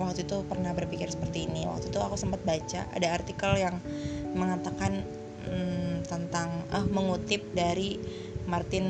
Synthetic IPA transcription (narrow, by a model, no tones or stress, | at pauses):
wak̚t̪uit̪upərnahbərpikɪrsə̥pərt̪iːniwa̰k̚t̪ut̪uakusəmpat̪̚bat͡ʃa̰ʔa̰daːrt̪ikaljaŋməŋat̪akan̩ | t̪ənt̪aŋəhməŋut̪ɪp̚daɾi | mart̪ɪn